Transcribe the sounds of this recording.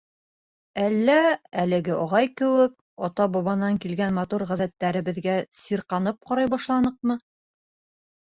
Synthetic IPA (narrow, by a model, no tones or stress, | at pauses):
ælːæælɘ̆ɡɘʔɒʁɑjkɘ̆wɘk̚ | ɒt̪ɑbɑβɑnɑŋkilɡænmɑt̪uɾʁæðæt̪ːæɾɘ̆βɘ̆ðɡæsiɾqɑnɤp̚qɑɾɑjbɑʃlˠɑnɤqmɤ